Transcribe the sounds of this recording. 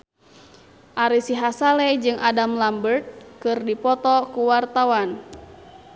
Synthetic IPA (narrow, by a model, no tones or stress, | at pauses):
ʔaɾisiɦasalɛd͡ʒɨŋʔadamlambərt̪̚kɨrdipɔt̪ɔkuwart̪awan